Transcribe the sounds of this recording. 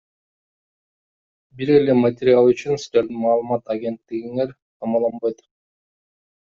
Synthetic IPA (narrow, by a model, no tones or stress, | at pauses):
biɾe̞le̞matʲɪɾʲɪalˠyt͡ʃynsɾeld̪imɑːlˠɯmɑt̪aɡʲe̞nt̪ːiɡiŋe̞ɾ | t̪ʰɑmɑlˠɑnbɑjt̪